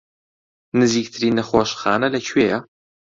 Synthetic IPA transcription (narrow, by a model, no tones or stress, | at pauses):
nɨziːk̚t̪ʰɨɾiːnːɐxoːʃxaːnɐlɐt͡ʃʰweːjɐ